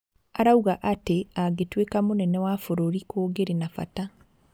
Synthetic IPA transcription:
aɾauɣaʔateaɣetwekamonɛnɛwafoɾoɾikoːɡeɾenafa̰ta

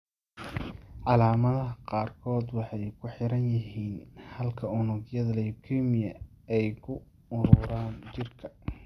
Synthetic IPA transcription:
ʕɑlaːmɐðɐɦɐqɑːrkʰɔːd̪wɑħɑjkʰʊħɪɾɐnjɐɦiːnhɐlkʰɐʊnʊɡjɐðɐlɛjbkʰimɪjɐ | ɛjkʰʊ | ʊɾʊːɾaːnt͡ʃɪrkʰɐ̥

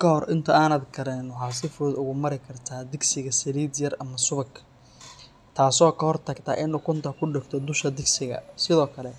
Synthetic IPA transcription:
kʰɐɦɔrʔɪnt̪ʰɐaːnɐːd̪ɡɐɾɛnwɑħɑːsɪfɾɔːd̪ʊɣʊmɐɾɪkʰɐrt̪ʰaːd̪ɪɡsɪɣɐsɐliːd̪jɐrʔɐmɐsʊβɐkʰ | t̪ʰaːsɔːkʰɐhɔrt̪ʰɐɡt̪ʰa̰ːʔɪnʊkʰʊnt̪ʰɐkʰʊɖɪɡt̪ʰɔd̪ʊʃkɐd̪ɪɡsɪɣɐ̰sɪðɔːkʰɐlɛ

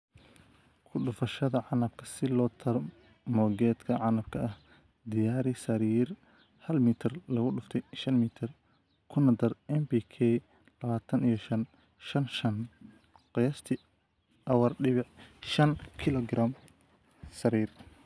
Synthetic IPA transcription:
kʰʊɖʊfɐʃɐðɐʕɑnɐb̚kʰɐsɪlɔːt̪ʰɐɾ | mɔːɡɛːd̪kʰɐʕɑnɐb̚kʰɐʔɐh | d̪ɪjaːɾɪsɐɾiːr | hɐlmiːt̪ʰɐrlɐɣʊɖʊft̪ʰɛjʃɐnmiːt̪ʰɐr | kʰʊnɐd̪ɐrɛmbiːkʰɛ | lɐβaːt̪ʰɐnijɞʃɐn | ʃɐnʃɐn | qɑjɐst̪ʰɪ | ʔɐwɐrɖɪβɪʕʃɐnkʰɪlɔɡɾaːm | sɐɾiːr

